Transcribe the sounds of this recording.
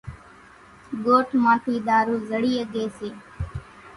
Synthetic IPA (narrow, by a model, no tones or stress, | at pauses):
ɠoːʈʰmãːʈʰiːɗ̪aːɾuːzəɽiːəɠeːseː